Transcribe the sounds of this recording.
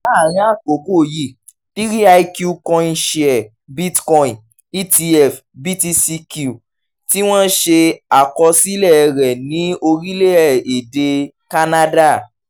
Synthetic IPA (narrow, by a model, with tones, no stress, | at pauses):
a˦˨ɾ̃ĩ˦a˦˨ko˨ko˦˨ji˦˨ | ti˦ɾi˦a˧i˧kju˧kɔ̃˧ĩ˧ʃi˦˧ɛ˨ | bi˦tkɔ̃˧ĩ˨ | i˦ti˧ɛ˦˨f | bi˦ti˧si˧ku˨ | ti˦w̃ɔ̃˦ʃe˧a˨kɔ˧si˦lɛ˦˨˧ɾɛ˨nĩ˨˦o˧ɾi˦le˦ɛ˦˨e˨de˧ | ka˦na˦da˦˨